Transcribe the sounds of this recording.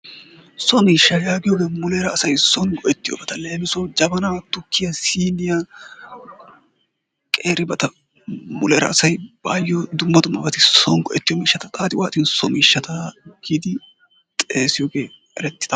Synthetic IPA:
sɔmiːʃːɐjaːɡɪjɔːɡe̞ːmʊleːɾɐːsɐjsɔnɡɔʔɛt̪ːɪjɔ̰bɐt̪ɐle̞ːmɪsɔd͡ʒɐbɐnɐt̪ʊkʰːɪjɐsiːnɪja | kʼeːɾɪbɐt̪ɐ | mʊleɾɐ̰ːsɐjb̥aːjːɔd̪ʊmːɐd̪ʊmːɐbɐt̪ɪsɔnɡɔʔɛt̪ːɪjɔmiːʃːɐt̪ɐt̪ʼaːt̪ɪwaːt̪ʼɪnsɔmiːʃːɐt̪ɐɡ̥id̪ɪ | t̪ʼeːsɪjoːɡe̞ː | ɛ̰ɾɛt̪ːɪ̥d̥̪ɐ

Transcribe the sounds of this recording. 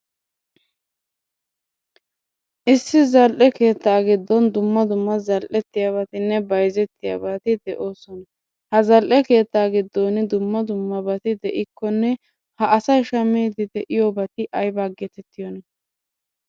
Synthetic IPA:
ʔɪsːɪzɐlʔɛke̞ːt̪ːaːɡɪd̪ːɔnd̪ʊmːɐd̪ʊmːɐzɐlʔɛt̪ːɪjaβɐt̪ɪnːɛbɐjzɛt̪ːɪja̰bat̪ɪd̪ɛʔo̞ːsɔnɐ | hɐzɐlʔɛke̞ːt̪ːaːɡɪd̪ːoːnɪd̪ʊmːɐd̪ʊmːɐbɐt̪ɪd̪ɛʔɪkːɔnːɛ | hɐʔɐsɐjʃɐmiːd̪ɪd̪ɛʔɪjobɐt̪ɪʔɐjbaːɡːɛt̪ɛt̪ːɪjɔnɐ

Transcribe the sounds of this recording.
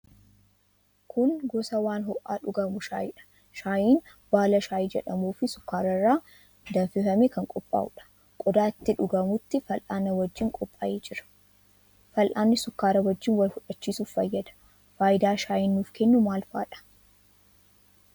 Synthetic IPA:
kʰʊŋɡɔsɐwaːnhɔʔːa̰ːᶑʊɡɐmʊʃa̰ːjɪᶑɐ̥ | ʃaːjiːn | b̥aːlɐʃaːjd͡ʒɛᶑɐmuːfɪsʊkːaːɾɐrːaː | d̪ɐnfɪfɐmekɐŋkʼɔpʼːa̰ːʔʊᶑɐ̥ | kʼɔd̪aːɪt̪ːɪᶑʊɡɐmʊt̪ːɪfɐlʔaːnɐwɐd͡ʒːɪŋkʼɔpʼːaːʔeːd͡ʒɪɾɐ̥ | fɐlʔaːnːɪsʊkːaːɾɐwɐd͡ʒːɪnwɐlhʊᶑɐt͡ʃːiːsuːffɐjːɐd̪ɐ̥ | faːjɪd̪aːʃaːjɪnːuːfkɛnːʊmaːlfa̰ːᶑɐ̥

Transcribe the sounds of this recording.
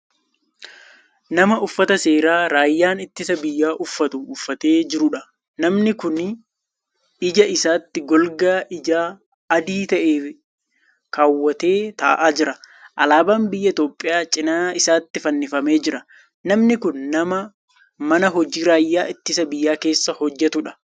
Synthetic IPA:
nɐmɐʊfːɐt̪ɐse̞ːɾaːɾaːjːaːnɪt̪ːɪsɐbɪjːaːʔʊfːɐt̪ʊːfːɐt̪e̞ːd͡ʒɪɾʊᶑɐ | nɐmnɪkʊn | ɪd͡ʒɐʔɪsaːt̪ːɪɡɔlɡaːʔɪd͡ʒaː | ɐd̪iːt̪ɐʔeː | kaːwːɐt̪e̞ːt̪a̰ːʔaːd͡ʒɪɾɐ | ʔɐlaːbaːmbɪjːɐɪt̪oːpʼːɪjaːt͡ʃʼɪnaːɪsaːt̪ːɪfɐnːɪfɐme̞ːd͡ʒɪɾɐ | nɐmnɪkʊnːɐmɐ | mɐnɐɦɔd͡ʒiːɾaːjːaːɪt̪ːɪsɐbɪjːaːke̞ːsːɐhɔd͡ʒːɛt̪ʊᶑɐ̥

